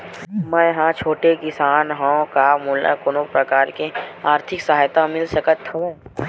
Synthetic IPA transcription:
mɛ̃jɦãt͡ʃʰoːʈekɪsaːnɦõkamuːla̰koːnõpɾɐkaːɾkeaːɾt̪ʰɪksɐɦaːjt̪amɪlsɐkət̪ʰːe

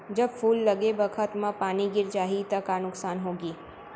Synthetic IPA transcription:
d͡ʒɐbfuːlːɐɡebɐkʰət̪mãpaːniɡɪɾt͡ʃaːɦit̪ɐkanʊksaːnɦoːɡiː

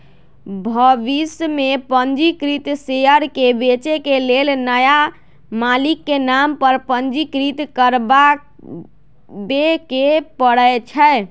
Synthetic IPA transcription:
bʱəʋismepənd͡ʒikɾit̪seəɾkebet͡ʃekelelnəja | malikːenampəɾpənd͡ʒikɾit̪kəɾbak | bekepəɽət͡ʃʰə

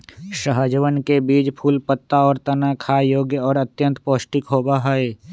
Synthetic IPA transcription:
ʃəɦəd͡ʒʋənkebiːd͡ʒpʰuːlpət̪ːaɔːɾt̪ənakʰajoːɡjəɔːɾət̪jə̃nt̪poːsʈɪkɦoːbaɦɛe

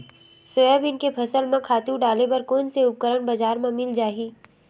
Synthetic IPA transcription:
sojəbɪnkepʰɐsəlmẽkʰaːt̪ũɖaːlebɐɾkoːnseʊp̚kəɾəɳbɐzaːɾmẽmɪld͡ʒaːɦiː

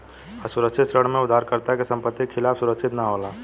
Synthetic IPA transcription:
əsʊɾəkʃʰɪt̪sɾəɽ̤mẽʊd̪ʱːaːɾkəɾt̪akesə̃mpət̪ːikʰːɪlaːfsʊɾəkʃɪt̪naɦolaː

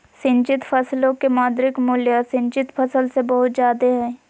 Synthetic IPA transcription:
sɪ̃nt͡ʃɪt̪fʰɐslõkemaːd̪ɾɪkmʊljasɪ̃ɲt͡ʃɪt̪fɐsəlsebɐɦʊt̪zjaːd̪eɦɛː

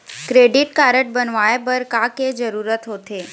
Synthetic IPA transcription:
kɾeːɖɪʈkaːɾəʈ̚bɐnʋaːepɐɾkaːked͡ʒɐɾuːɾət̪ɦoːt̪eː

